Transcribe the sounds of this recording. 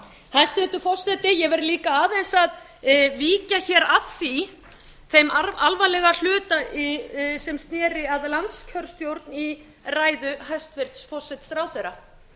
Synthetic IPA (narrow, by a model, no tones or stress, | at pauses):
hajst̪vɪɾt̪ʏfɔsːɛt̪ɪjɛvɛɾliːkaaːðejnsað | viːcaçɛːɾaðθi | θejmaalvalɛɣal̥ʏːt̪aisɛmst̪nɛːɾɪaðlant̪scʰœɾst̪jowɾt̪ni | raːjðʏɦajst̪vɪɾ̥t̪sfɔsːɛt̪st̪ɾaːwθɛɾa